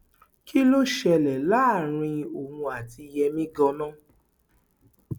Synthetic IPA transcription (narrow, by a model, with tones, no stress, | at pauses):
ki˦lo˦ʃɛ˧˨lɛ˨la˦˨ɾ̃ĩ˧o˨hũ˧a˨ti˧jɛ˧mĩ˦ɡɔ̃˧nã˦˨